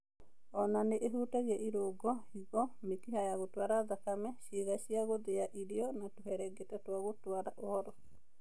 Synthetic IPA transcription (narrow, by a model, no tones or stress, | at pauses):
ɔnaneʔeɦutaɣɛʔiɾoɡɔhiɡɔmekiɦajaɣotwaɾad̪akamɛʃiɣaʃiaɣod̪eaʔiɾiɔnatuɦɛɾɛɡetatwaɣotwaɾaʔɔɔɾɔ